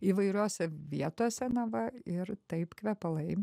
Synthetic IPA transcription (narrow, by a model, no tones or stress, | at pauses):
iːʋɐɪɾʲoːsʲɛʋʲiɛt̪oːsʲɛnɐʋɐɪɾt̪ɐɪpkʋʲɛpɐlˠɐɪ